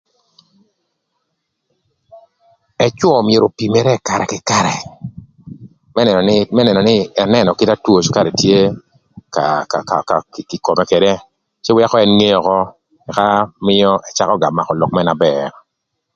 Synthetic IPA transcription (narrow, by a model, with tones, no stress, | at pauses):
ɛ˦t͡ʃwɔ˦˨mje˨ɾo˨pi˨me˨˦ɾɛ˦˨ka˨ɾɛ̰˨kɪ˨ka˨ɾɛ̰˨ | mɛ˦˨˦mɛ˦nɛ˨nɔ˨nɪ˦ɛ˨nɛ˦nɔ˨kɪ˦ta˦two˨t͡ʃo˦ka˦˨ɾe˨tje˦ | ka̰˨ka˨ka̰˨ka˨kkɪ˨ko˨mɛ˨ke˨de˦ | t͡ʃɪ˦wɪ˦a˦kɔ˦ɛ˦nŋe˦jɔ˨kɔ˦ | ɛ˨ka˦mɪ˦jɔ˦ʔɛ˨t͡ʃa˦kɔ˦ɡa˨mːa˨kɔ˨lɔ˨k̚mɛ˦na˨bɛ˨ɾ